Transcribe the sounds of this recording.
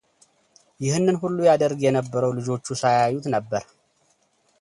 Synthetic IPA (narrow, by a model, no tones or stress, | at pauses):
jɪhɨnːɨnhulːujad̪əɾɡjɛnəbːəɾəwlɨd͡ʒo̞t͡ʃːusajajːut̪nəbːəɾ